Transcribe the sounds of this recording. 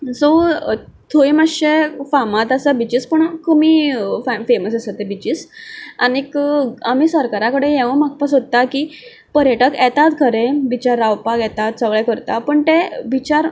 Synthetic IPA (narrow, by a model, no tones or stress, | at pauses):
so | t̪ʰoimaɕefamat̪asabit͡ɕiːspəɳkəmifafeməsesat̪ebit͡ɕisanikam̤iːsəɾkaɾãkəɽejɛʋəmak̚pasott̪ːakiː | pəɾjeʈəkɛt̪at̪kʰəɾẽbit͡ɕaɾawpaɡjɛt̪at̪̚səʋɭɛkəɾt̪apəɳt̪ebit͡ɕaɾ